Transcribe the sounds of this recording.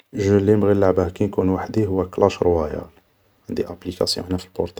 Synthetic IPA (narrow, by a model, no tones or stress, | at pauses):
ʒəlːimɣilːaʕbæhkænkunwaħd̪iɦʊwːæklæʃɾwæjæ̰l | ʕənd̪iʔæplikɑ̰sjɔ̰̃ħnæfilbɔ̰ɾt̪ɑ